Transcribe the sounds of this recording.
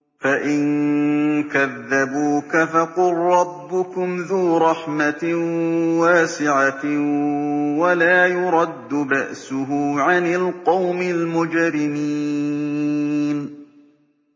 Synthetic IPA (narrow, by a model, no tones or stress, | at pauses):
faʔɪn | kaðːabuːkafɑqʊlɾːɑbːʊkʊmðuːɾˤɑħma | waːsɪʕa | walaːjʊɾˤɑd̪ːʊbaʔsʊɦʊʕanɪlqɑwmɪlmʊd͡ʒɾɪmi | n